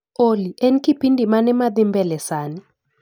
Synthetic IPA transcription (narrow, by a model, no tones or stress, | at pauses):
oliʔɛnkipindʱimanɛmaðɪmbɛlɛsaːnɪ